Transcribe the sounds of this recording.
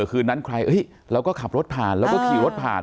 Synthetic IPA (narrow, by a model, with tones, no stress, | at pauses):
kʰɯː˧na˦˥nkʰɾa˧jʔɤ˦˥j | ɾɛː˦˥wkɔː˥˩kʰa˨˩p̚ɾo˦˥t̪̚pʰaː˨˩nlɛː˦˥wkɔː˥˩kʰiː˧ɾo˦˥t̪̚pʰa̰ː˨˩n